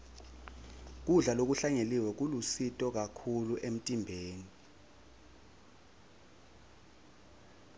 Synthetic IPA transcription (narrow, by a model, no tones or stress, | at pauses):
k̬uɮalok̬uɬaŋeliwɛk̬ulusitʼɔk̬akʰuluʔem̩tʼimbʱeːni